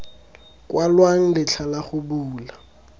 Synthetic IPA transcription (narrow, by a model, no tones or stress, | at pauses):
kʼwalwaŋ̩lɪt͡ɬʰalaχʊbuːla